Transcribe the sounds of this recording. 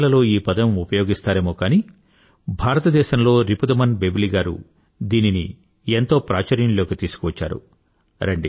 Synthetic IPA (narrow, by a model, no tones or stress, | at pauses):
lɐlo̞ːiːpɐd̪ɐmupɐjoːɡist̪aːɾeːmoːkaːni | bʱaːɾɐt̪ɐd̪ɛːʃɐmlo̞ːɾipud̪ɐmɐnbebiliɡaːɾṵ | d̪iːninḭ | ent̪o̞ːpɾaːt͡ʃɐɾjɐnlo̞ːkit̪iːsu̥kuʋɐt͡ʃːa̰ːɾṵ | ɾɐɳɖḭ